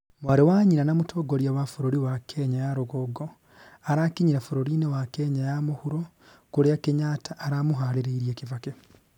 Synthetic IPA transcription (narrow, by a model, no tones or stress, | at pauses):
mwaɾiwaːɲiɾanamutʰoːɡoɾjawafoɾoɾiwakʰeɲajaɾoɡoɡo | aɾakiɲiɾafoɾoɾiːnewakeɲajamuhuɾo | kuɾejakeɲaːtʰaʔːɾamuɦaɾeɾeiɾjeːkivake